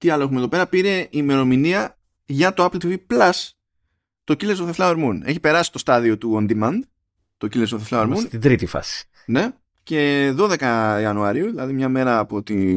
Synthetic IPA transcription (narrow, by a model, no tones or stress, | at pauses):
t̪iɐloexumeðope̞ɾɐpiɾe̞ʔime̞ɾo̞miniɐ | ʝɐt̪oɐplt̪iviplɐs | t̪ocilezoθe̞flɐoeɾmune̞çipe̞ɾɐsi̥t̪o̞st̪ɐðio̞t̪uond̪imɐnd̪ | t̪o̞cilezoθeflɐoeɾmunt̪id̪ɾit̪ifɐ̰si̥ | ne̞ | ce̞ðo̞ðe̞kɐiɐnuɐɾiuðilɐðimɲɐme̞ɾɐːpo̞t̪i